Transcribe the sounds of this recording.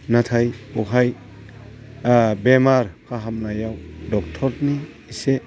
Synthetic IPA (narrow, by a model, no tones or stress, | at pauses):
natʰajuɦaj | bemaɾkʰaɦamnajawdɔk̚tʰɔɾniː | se